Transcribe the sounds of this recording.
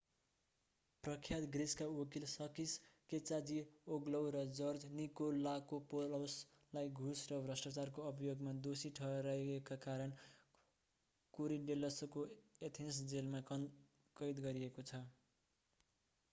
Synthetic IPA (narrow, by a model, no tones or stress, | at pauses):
prʌkʰjat̪ɡriskaokilsʌkisket͡sad͡zioɡlʌwɾʌd͡zʌrd͡znikolːakopolaws | lajɡʱusrʌbrʌsʈat͡sarkoʌbʱijoɡmad̪osiʈʰʌɾajekakaɾʌn | koɾiɖelʌsokoet̪ʰensd͡zelma | kʌjd̪ɡʌɾiekot͡sʰʌ